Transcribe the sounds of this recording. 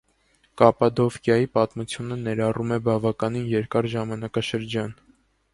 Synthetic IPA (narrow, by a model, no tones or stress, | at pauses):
kɑpɑd̪ɔfkʰjɑjipɑt̪mut͡sʰjunənɛɾɑrumɛbɑvɑkɑninjɛɾkɑɾʒɑmɑnɑkɑʃəɾd͡ʒɑn